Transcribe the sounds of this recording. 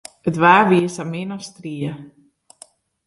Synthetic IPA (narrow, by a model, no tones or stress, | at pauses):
ətʋaːʋiəsaminɔstriə